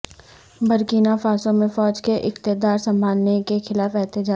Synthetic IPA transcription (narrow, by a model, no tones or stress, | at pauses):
bɐɾkiːnafaːsõmẽfɔːd͡ʒkeʔɪqt̪ɪd̪aːɾsɐ̃mbʱaːnːekexɪlaːfɛɦt̪ɪd͡ʒaː